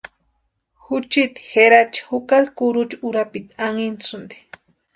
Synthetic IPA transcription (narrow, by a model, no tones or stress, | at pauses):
xʊt͡ʃit̪i̥xeɾat͡ʃḁxʊkaɾkuɾʊt͡ʃuɾapit̪aŋint͡sʊnd̪i̥